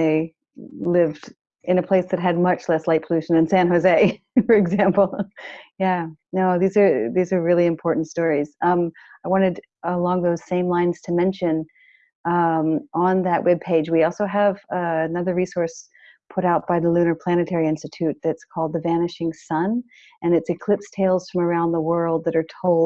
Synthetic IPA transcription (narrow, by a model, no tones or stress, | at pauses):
ðeɪ | lɪvd | ɨ̃nɨpʰl̥eɪsðɨt̚ɦɨd̚mʌt͡ʃlɛslaɪt̚pʰəlʉʃɨ̃n̩ɨ̃nsæ̃nɦoʊzeɪ | fə˞ɨɡzæ̃mpl̩ˠjænoʊðizə˞ðizə˞ɹɪlˠiɨ̃mpʰɔɹʔn̩tstɔɹiz̥ʌ̃m | aɪwɑ̃ɾ̃ɨɾ | əlɔ̃ŋðoʊz̥sẽɪ̃mlãɪ̃nz̥tʰɨmɛ̃nʃɨ̃n | ʌʔə̃nðɨʔwɛb̚pʰeɪd͡ʒwiɔlˠsoʊəvʌɨnʌðə˞ɹisɔɹs | pʰʊɾaʊt̚b̥aɪðəlʉnə˞pʰl̥æñɨtʰɛɹiɪ̃nstɨtʰʉt̪̚ðɨtskʰɔlˠd̪̚ðɨvænɨʃɪ̃ŋsʌ̃n | ɨ̃nɨtsɨkʰl̥ɪpstʰeɪlˠz̥fɹʌ̃mə˞ãʊ̃nðəwɜ˞lˠd̪̚ðɨɾə˞tʰoʊl̚ˠ